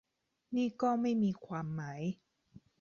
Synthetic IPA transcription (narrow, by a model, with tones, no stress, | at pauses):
niː˥˩kɔː˥˩ma˥˩jmiː˧kʰwaː˧mːa˦˥j